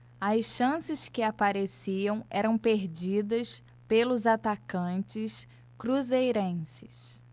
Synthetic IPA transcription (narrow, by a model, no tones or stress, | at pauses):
ɐʃɐ̃sɪskɪapaɾesiɐ̃w̃ɛɾɐ̃w̃peɾd͡ʒid̪ɐs | pelʊzat̪akɐ̃nt͡ʃɪs | kɾuzejɾẽsɪs